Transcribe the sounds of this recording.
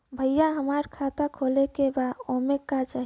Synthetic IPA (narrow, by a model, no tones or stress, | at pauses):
bʱəjjaɦəmaɾkʰat̪akʰolekebaomekat͡ʃaɦ